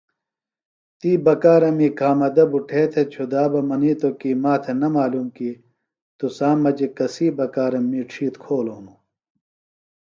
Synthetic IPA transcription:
t̪iːbɐkaːɾɐmiːkaːmɐd̪ɐbuʈʰeːt̪ʰet͡ɕʰud̪aːbɐmɐniːt̪okiːmaːt̪ʰenɐmaːluːmkiː | t̪usaːmɐd͡ʑekɐsiːbɐkaːɾɐmːiːʈ͡ʂʰiːt̪kʰoːloːnu

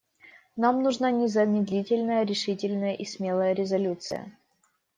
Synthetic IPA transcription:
namnʊʐnanʲɪzənʲɪd̪lʲitʲɪlʲnəjəɾʲɪʂɨtʲɪlʲnəjəʔismʲe̞lˠəjəɾʲɪzɐlʲut̪sɨ̰jə̰

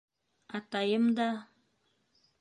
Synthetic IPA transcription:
at̪ajəmd̪a

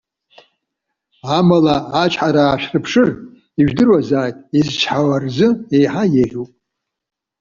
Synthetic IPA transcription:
amalaːt͡ʃʰʼħaɾaːʃᶣrɨpʰʂɨr | iʒᶣdɨrwazaːjtʼizt͡ʃʰħawarzɨejħajerʲupʼ

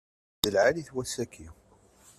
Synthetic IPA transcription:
ðəlʕaliθwæsækʰi

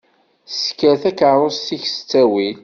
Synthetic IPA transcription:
skæθækəɾˤozθiçsə̥t͡sːæwil

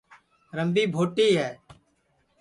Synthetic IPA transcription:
ɾəmbiːbʱoːʈiːɦɛː

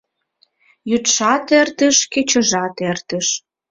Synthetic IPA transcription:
jyt̪ʃɑt̪ert̪ə̆ʃket͡ɕə̆ʒɑt̪ert̪ə̆ʃ

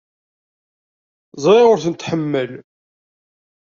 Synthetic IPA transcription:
zˤɾiʁʊɾθənt̪ħəmːəl

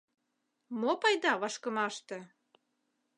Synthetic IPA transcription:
mopɑjd̪ɑβɑʃkəmɑʃt̪ĕ

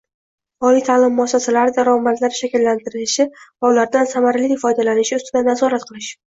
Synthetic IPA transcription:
ɒlijt̪ʰaːlɪmːʊasasalaɾɪd̪aɾɒmat̪laɾʃakʲɪlːant̪ɪɾɪlɪʃɪvaʊlaɾd̪ansamaɾalifɒjd̪alanɪʃɪʊst̪ɪd̪anazɒɾat̪̚qʰɨlˠɪʃ

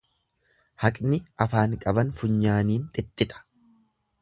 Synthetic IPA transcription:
hɐkʼnɪʔɐfaːŋkʼɐbɐnfʊɲːaːniːnt̪ʼɪt̪ʼːɪt̪ʼɐ̥

